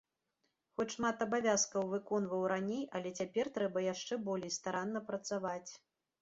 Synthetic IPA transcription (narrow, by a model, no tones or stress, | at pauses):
xɔt͡sʲʂmat̪ɐbavʲaskɐwvɨkɔn̪vɐwɾanʲejɐlʲɛt͡sʲapʲɛrt̪ɾɛbɐjaʂt͡ʂɛbɔlʲejst̪aɾanːɐpɾɐt̪savat͡sʲ